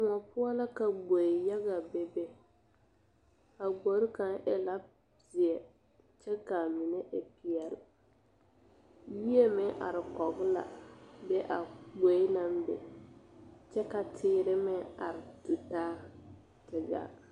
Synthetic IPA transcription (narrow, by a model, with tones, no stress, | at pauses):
mɔ˨pʊ˦a˦la˦ka˨ɡ͡bo˨ja˦ɡa˨bɛ˦bɛ˦ | a˨ɡ͡bo˨˦ɾka˨nʔɛ˨la˦ | zɪ˨ɛ˨ | t͡ʃɛ˦ka˨mi˨ne˦ʔɪ˨pi˨ɛ˨l | wi˦e˦mɛ˦ʔa̰˨ɾɪ˨kɔ˨ɡla̰˨bɛ˦ʔa˨ɡ͡bo˨˦i˦na˦mbɛ̰˨ | t͡ʃɛ˦ka˨tʰɪː˦ɾɪ˦mɛ˦a̰˨ɾɪ˨du˨taː˦ | tɪ˨ɡa̰˨